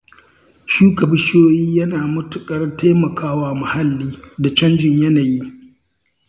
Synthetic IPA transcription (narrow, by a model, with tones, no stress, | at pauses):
ʃuː˦kɐ˨bɪ˦ʃoː˦jiː˦jɐ˦naː˨mʊ˦tʊ˨kʼɐ˦rteː˦mɐ˨kʰaː˦waː˦mʊ˨ha˦lːiː˦da˨t͡ʃɐ˦nd͡ʒɪ˨ɲjɐ˦naː˨ji˦ʔ